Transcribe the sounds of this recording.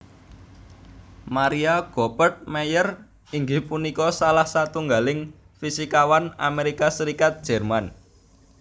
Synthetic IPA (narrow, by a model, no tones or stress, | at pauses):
maɾiaɡ̥ɔpərt̪̚mɛjər | iŋɡɪhpunikɔsalahsat̪uŋɡalɪŋ | fisikawana̰meɾikasəɾikat̪̚d̥ʒ̥ɛ̤rman